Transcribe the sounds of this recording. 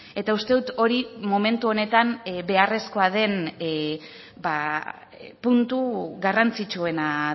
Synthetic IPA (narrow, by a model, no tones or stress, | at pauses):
e̞t̪aust̪e̞ðut̪o̞ɾimome̞nt̪uo̞ne̞t̪anbe̞are̞sko̞að̞e̞n | ba | punt̪uɣarant͡sit͡ʃue̞na